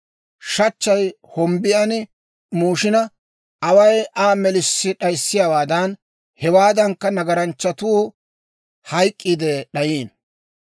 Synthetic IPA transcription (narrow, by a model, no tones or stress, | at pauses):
ʃɐt͡ʃːɐj | hɔmbɪjɐn | muːʃɪnɐ | ɐwɐjʔaːmɛlɪsːɪɗɐjsːɪjawaːd̪ɐn | hɛwaːd̪ɐŋkːɐnɐɡɐɾɐnt͡ʃːɐt̪uː | hɐjkʼːɪd̪ɛɗɐjiːn